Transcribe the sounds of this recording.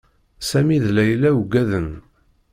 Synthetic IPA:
sæmiðlæjlːæwɡæðən

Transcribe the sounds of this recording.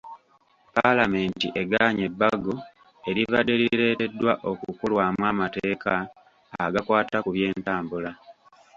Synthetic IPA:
palame̞ːntiʔe̞ɡaɲe̞bːaɡo | e̞ɾivade̞liɾe̞ːte̞dːwaʔo̞kukulwaːmwaːmateːkaː | ɡakwaːtakuβje̞ːntaːmbula

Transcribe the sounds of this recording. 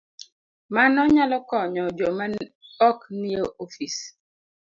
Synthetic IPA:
manɔɲalɔkɔɲɔd͡ʒomaɔknioʔofis

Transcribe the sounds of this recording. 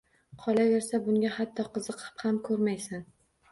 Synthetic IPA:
qʰɒlaveɾsabʊŋɡʲahat̪ʰːɒqʰɨzɨqʰɨ̥phamkʰɵɾmajsan

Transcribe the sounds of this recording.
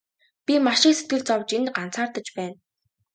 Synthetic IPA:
pʲimaʃɪ̆kset̪ɡɘ̆ɮt͡sɔwt͡ɕenɢan̥t͡saːrt̪ə̆t͡ɕpæːn

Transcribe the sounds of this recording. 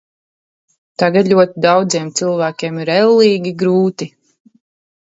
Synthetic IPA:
t̪aɡat̪lʲuɔt̪id̪awd̪ziɛmt̪silˠvæːkʲeɛmiɾɛlˠːiːɡʲiɡɾuːt̪i

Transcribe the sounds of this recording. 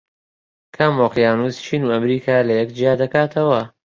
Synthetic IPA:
kʰamoqjaːnuːst͡ʃʰiːnuːɐmɾiːkʰaːlɐjɛkd͡ʒijaːd̪ɐkaːt̪ʰɐwɐ

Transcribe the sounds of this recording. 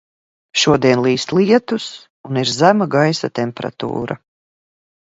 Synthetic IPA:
ʃuɔd̪iɛnlˠiːst̪lˠiɛt̪us | uniɾzæmaɡajsat̪ɛmpeɾa̰t̪ṵːɾa

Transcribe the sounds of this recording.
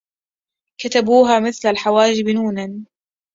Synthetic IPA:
kat̪abuːɦaːmɪθlalħawaːd͡ʒɪbnuːnan

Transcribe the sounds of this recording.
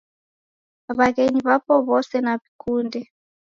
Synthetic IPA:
βaɣeɲiβapɔβɔsɛnaβikʰundɛ

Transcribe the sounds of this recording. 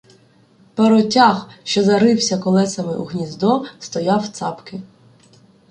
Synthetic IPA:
peɾɔtʲaxʃt͡ʃɔzɐɾɪwsʲɐkɔlˠɛsɐmɪʔuɣnʲizd̪ɔst̪ɔjɑwt̪sɑpkɪ

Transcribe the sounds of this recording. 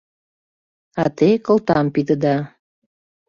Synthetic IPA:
ɑt̪ekə̆lt̪ɑmpid̪ə̆d̪ɑ

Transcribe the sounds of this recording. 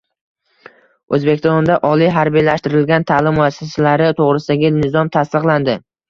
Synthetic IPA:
ɵzbe̞kʲɪst̪ɒnd̪aʔɒlijɦaɾbijlaʃt̪ɪɾɪlɡʲant̪ʰaːlɪmːʊasːasalaɾɪt̪ʰoʁɾɪsɪd̪aɡʲɪnɪzɒmt̪ʰast̪ɨqlˠand̪ɪ

